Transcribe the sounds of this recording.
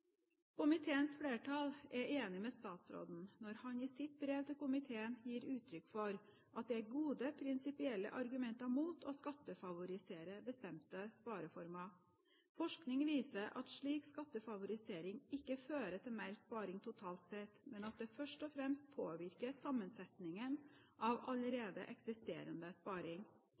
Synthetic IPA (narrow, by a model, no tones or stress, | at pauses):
kʊmɪt̪ʰeːənsfɽeːʈʰɑlɛʔeːnɪmɛst̪ɑːt̪sɾo̰ːd̪n̩nɔɾhɑnɪsɪt̪̚bɾeːʋt̪ʰɪlkʊmɪt̪ʰeːənjiːɾʉːt̪ʰɾʏkfɔɾ | ʔɑt̪̚d̪ɛæɾɡuːd̪əpʰɾɪnsɪpɪɛlːə̰ʔɑɾɡʉmɛnt̪ɑmuːt̪ʰɔskɑt̪ːəfɑʋʊɾɪseːɾəbəst̪ɛmt̪əspɑːɾəfɔɾmɑ | fɔʂknɪŋʋiːsəʔɑ̰t̪ʂɭiːkskɑt̪ːəfɑʋʊɾɪseːɾɪŋɪkːəføːɾət̪ʰɪlmæɪɾspɑːɾɪŋt̪ʰʊt̪ʰɑːlt̪sɛt̪mɛnɑt̪̚d̪ɛfœʂʈɔfɾɛmst̪̚pʰoːʋɪɾkəsɑmːənsɛt̪nɪŋənʔɑʋɑləɾeːd̪ə̰ʔɛksɪst̪ḛːɾənd̪əspɑːɾɪŋ